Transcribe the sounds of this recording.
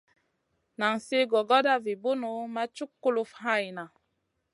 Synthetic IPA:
na˨ŋse˦ɡɔ˨ɡɔ˦da˦vi˨bu˦nu˨˦ma˦t͡ʃu˦kːu˦lu˦fha˦˨jna˨

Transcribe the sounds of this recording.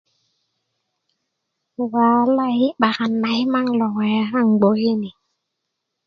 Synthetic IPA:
waː˨˦la˦˨hi˦ɓa˨ɣa˨nːa˨˦i˦ma˦ŋlɔ˨ŋɛ˨˦ɦa˦˨ŋ˨ɡ͡bo˨˦he˦ni˨

